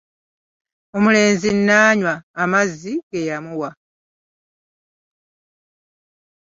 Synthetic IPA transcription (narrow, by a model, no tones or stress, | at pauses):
omule̞ːnzinːaːɲwaːmazːiɡe̞jamuwa